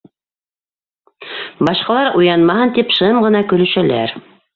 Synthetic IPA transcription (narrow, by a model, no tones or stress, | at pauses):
bɑʃqɑlˠɑɾujɑnmɑhɤnt̪ipʃɤmʁɤ̆nɑkɵ̆lɵ̆ʃælæ̰ɾ